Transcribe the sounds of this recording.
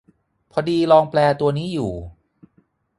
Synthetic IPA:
pʰɔ˧diː˧lɔː˧ŋplɛː˧t̪u˧ɐniː˦˥juː˨˩

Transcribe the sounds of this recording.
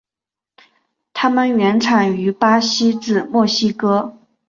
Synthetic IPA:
t̪ʰa˥mə˨nɥɛ˧˥nʈ͡ʂʰa˨˩ŋy˧˥pa˥ɕi˥ʈ͡ʂɻ̩˥˩mwɔ˥˩ɕi˥kɤ˥

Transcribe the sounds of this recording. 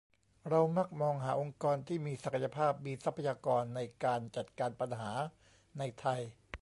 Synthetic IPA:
ɾa˧wma˥˩k̚mɔː˧ŋɦaː˩˦ʔo˧ŋkɔː˧nt̪ʰiː˥˩miː˧sa˨˩kʰa˧ja˧pʰaː˥˩p̚miː˧sa˦˥pʰa˧jaː˧kɔː˧nːa˧jkaː˧nt͡ɕa˨˩t̪̚kaː˧npa˧nɦaː˩˦ | na˧jt̪ʰa˧j

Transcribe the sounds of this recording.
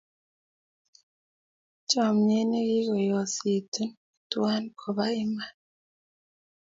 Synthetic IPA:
t͡ʃa˨mɲe˦ne˦ji˦ɣo˨jo˨si˨tu˦n | i˨twa˦nkʰo˨βa˦i˦ma˦

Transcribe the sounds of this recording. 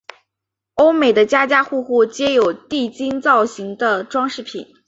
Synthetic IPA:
o˥ʊme˨˩ɪd̪ə˦t͡ɕja˥t͡ɕja˥xu˥˧xu˥˩t͡ɕjɛ˥jo˨˩ʊt̪i˥˩t͡ɕi˥ŋt͡sɑ˥˩ʊɕi˧˥ŋd̪ə˧ʈ͡ʂwɑ˥ŋʂɻ̩˥˩pʰḭ˨˩˦n

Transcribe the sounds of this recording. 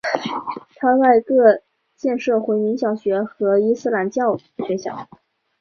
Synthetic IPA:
t̪ʰa˥t͡sa˥˧ɪkɤ˥˧ | t͡ɕjɛ˥˧nʂɤ˥˩xwe˧˥ɪmi˧˥ŋɕjɑ˨˩ʊɕɥɛ˧˥xɤ˧˥i˥sɹ̩˥˩˧la˧˥nt͡ɕjɑ˥˩ʊ | ɕɥɛ˧˥ɕjɑ̰˨˩˦

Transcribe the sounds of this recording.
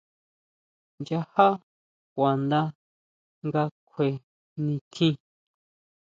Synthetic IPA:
nd͡ʒa˧ha˦ | kʷa˨nd̪a˧ | ŋɡa˧kʷʰe˨ | nĩ˧t̪ʰĩ˦

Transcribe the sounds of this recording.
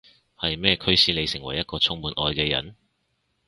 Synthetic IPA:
hɐ˨jmɛː˥˧kʰɵ˥ɥsiː˧le˨˧jsɪ˨˩ŋwɐ̰˨˩jːɐ˥t̚kɔː˧t͡sʰʊ˧˥ŋmuː˨˧nʔɔː˨˧jkɛː˧jɐ̰˨˥˦n

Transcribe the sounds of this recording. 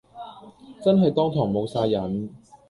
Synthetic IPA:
t͡sɐ˥nɦɐ˨jt̪ɔː˥ŋt̪ʰɔː˨˩ŋmo˨˧wsaː˧jɐ˨˥n

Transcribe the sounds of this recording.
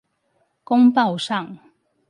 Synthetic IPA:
kʊ˥ŋpɑ˥˨ʊʂɑ˥˨ŋ

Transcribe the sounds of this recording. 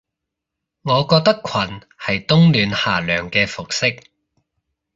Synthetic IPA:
ŋɔː˨˧kɔː˧k̚t̪ɐ˥kʰɐ˨˩n | hɐ˨jt̪ʊ˥ŋlyː˨˧nhaː˨lœː˨˩ŋkɛː˧fʊ˨k̚sɪ˥k̚

